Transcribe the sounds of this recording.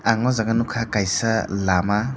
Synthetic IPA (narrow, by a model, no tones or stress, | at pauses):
aŋɔzaɡɐnukʰakajsɐlama